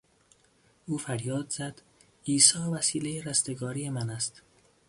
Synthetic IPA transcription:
uːfæɾjɒːd̪z̥æd̪̥ | iːsɒːvæsiːlejeɾæst̪eɡɒːɾijemænæst̪

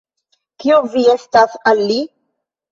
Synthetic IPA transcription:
kiovie̞stasalːi

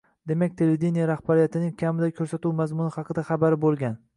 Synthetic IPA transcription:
d̪e̞mak̚ʲt̪ʰe̞led̪inijaɾaχbaɾijat̪ʰɪnɪŋkʲʰamɪd̪akʲʰɵɾsat̪uwmazmʊnɪhɑqʰɨd̪aχɑbaɾɪbolˠɡʲan

